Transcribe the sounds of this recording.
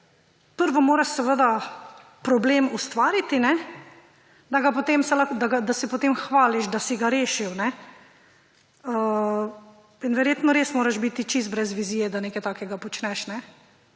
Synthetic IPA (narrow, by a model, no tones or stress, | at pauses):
pəɾʋɔmoːɾaʃsɛʋəd̪a | pɾɔbleːmust̪ʋaːɾit̪inɛ | d̪aɡapot̪eːmsɛlad̪aɡad̪asɛpɔt̪emxʋaːliʃd̪asiɡaɾeːʃiwnɛ | ə | inʋɛɾjeːt̪nɔɾeːsmoːɾaʃbit̪it͡ʃisbɾɛzʋizijɛd̪aneːkɛjt̪aːkɛɡapɔt͡ʃnɛʃnɛ